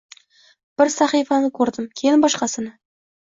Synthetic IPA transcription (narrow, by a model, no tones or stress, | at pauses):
b̥ɪɾsɑχijfɑnɪkʲʰɵɾd̪ɪmkʲʰejɪnbɒʃqɑsɪnɪ